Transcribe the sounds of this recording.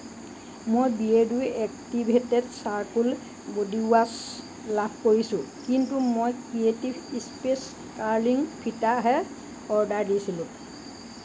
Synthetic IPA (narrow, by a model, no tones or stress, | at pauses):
mojbiedujɛk̚tibʱetɛdsaɹkul | bodias | labʰʱkoɹisʊ̃kintumojkɹietibispes | kaɹliŋpʰitaɦɛ | ɔɹdaɹdisilʊ̃